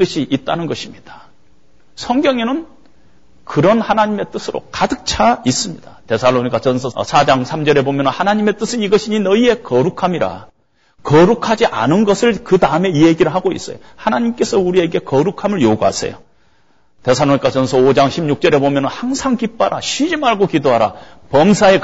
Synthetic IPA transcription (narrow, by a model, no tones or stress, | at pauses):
t͈ɯɕʰiʔːt̚t͈anɯnɡʌɕʰimɲid̥ḁ | sʰʌŋɡjʌŋenɯn | kɯɾʌnhanaɲimet͈ɯsʰɯɾo̰kadɯk̚t͡ɕʰais͈ɯmɲid̥ate̞sʰalːoɲik͈at͡ɕʌnsʰʌsʰad͡ʑaŋsʰamd͡ʑʌɾe̞bomjʌnɯnhanaɲime̞t͈ɯsʰɯniɡʌɕʰiɲinʌie̞kʌɾukʰamiɾa̰ | kʌɾukʰad͡ʑiʔa̰nɯnɡʌsʰɯɭkɯdaɯme̞ijeɡiɾɯɭɦaɡoḭs͈ʌ̰jo | hanaɲimk͈e̞sʰʌuɾie̞ɡe̞kʌɾukʰamɯɭjoɡoɦa̰sʰe̞̰jo | te̞sʰaɭoɲik͈at͡ɕʌnsʰʌod͡ʑaŋɕʰimɲuk̚t͡ɕ͈ʌɾe̞bomjʌnɯnhaŋsʰaŋkip͈aɾaɕʰɥid͡ʑimaɭɡokidoɦaɾa̰pʌmsʰae